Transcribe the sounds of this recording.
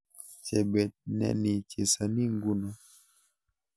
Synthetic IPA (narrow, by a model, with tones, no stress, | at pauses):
t͡ʃɛ˨bɛ˨t̚nɛ̰˨ni˨t͡ʃɛ˨sa˨ni˦ŋɡu˦na˨